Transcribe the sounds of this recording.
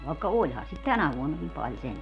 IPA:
ʋɑˑekːɑ olʲhɑn̞ sit tænæ ʋuonːɑkim pɑl sentæ

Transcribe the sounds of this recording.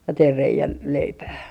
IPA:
teir reiæn leipæː

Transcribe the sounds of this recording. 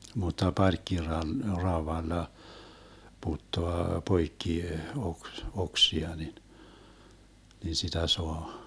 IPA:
mutˑɑ pɑrkːirɑl rɑoʋɑlːɑ putːoɑ poikːi oks oksiɑ nin nin sitæ soɑ

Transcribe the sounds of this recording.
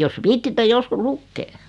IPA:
jos ʋiːtːitːe joskus lukːeː

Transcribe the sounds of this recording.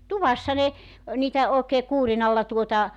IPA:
tuʋɑsːɑ ne niːtæ oˑekeː kuːrinɑlːɑ tuotɑ

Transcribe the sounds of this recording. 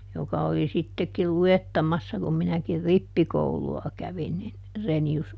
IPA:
jokɑ oli sitːekil luetːɑmɑsːɑ kum minækir ripːikouluɑ kæʋin nin renius

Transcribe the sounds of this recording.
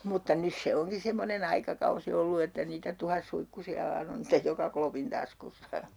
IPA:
mutːɑ nys se oŋki semːonen ɑikɑkɑusi olːu etːæ niːtæ tuhɑsːuikːusiɑ ʋɑːn on stej jokɑ klopin tɑskusːɑ

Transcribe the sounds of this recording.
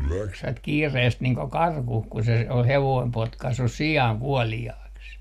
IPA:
juoksʋɑt kiːreːst niːŋ ko kɑrkuh ku se ol heʋoim potkɑsːus siɑˑŋ kuɔliɑːks

